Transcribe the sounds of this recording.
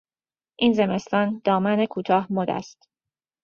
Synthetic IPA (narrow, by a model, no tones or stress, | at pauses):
ʔiːnze̞me̞st̪ɒːnd̪̥ɒːmænekʰuːt̪ʰɒːhmod̪æ̰st̪